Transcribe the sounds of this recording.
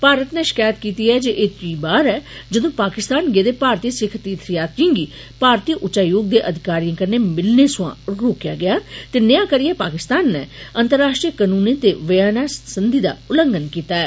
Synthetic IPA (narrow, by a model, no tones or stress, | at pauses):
paːɾət̪nɛ̃ːʃɪ̥kaːjət̪kiːt̪iːɛːd͡ʒeʔet̪iːbaːɾɛːd͡ʒəd̪õːpaːkɪst̪aːnɡeːd̪eːpaːɾt̪iːsɪkʰt̪iːt̪ʰɾijaːt̪̚d͡ʒĩŋɡiː | paːɾt̪iːʔʊʃaːjoːɡ̚d̪eːʔəd̪ʱɪkaːɾijãkəɾneːmɪlneːsʊʋã̰ːɾoːkja̰ːɡɪjaːt̪eːnəjãːkəɾijeːpaːkɪst̪aːnːɛːənt̪əɾːaːʃʈɾiːəkanuːniːt̪eːʋəjaːnaːsənd̪iːd̪a̰ːʊləŋɡənkiːt̪aːɛː